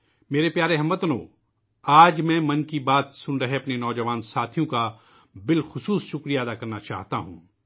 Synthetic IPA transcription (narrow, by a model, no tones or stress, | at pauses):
meːɾepjaːɾeɦɐmət̪əno̰ː | aːd͡ʒmɛ̃ːmɐnkibaːt̪sʊnɾɐɦeɐpnenɔːd͡ʒɐʋaːnsaːt̪ʰijõka | bɪlxʊsuːsʃʊkɾijad̪akɐɾnat͡ʃa̰ːɦt̪aɦṵ̃ː